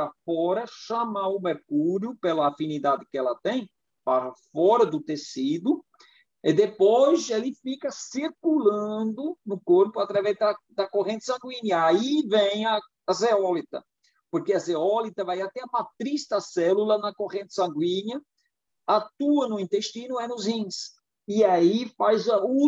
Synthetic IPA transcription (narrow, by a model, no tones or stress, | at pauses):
afɔɾɐʃɐmaʊmeɾkuɾjʊpelɐafinid̪ad̪ɪkɪɛlɐt̪ẽj̃ | paɾɐfɔɾɐd̪ʊt̪esid̪ʊ | ɪd̪epojzelɪfikɐsiɾkulɐ̃d̪ʊnʊkoɾpʊat̪ɾavɛzd̪ɐd̪ɐkoʁẽnt̪ɪ̥sɐ̃ŋɡwĩɲɐaivẽj̃ɐː | zeɔlit̪ɐ̰ | poɾkeɐzeɔlit̪ɐvajat̪ɛ̃ũmɐt̪ɾist̪ɐsɛlulɐnɐkoʁẽnt̪ɪ̥sɐ̃ŋɡwĩɲɐ | at̪uɐnʊĩnt̪eʃt̪ĩnʊɛnʊzĩs | ɪaifajzɐu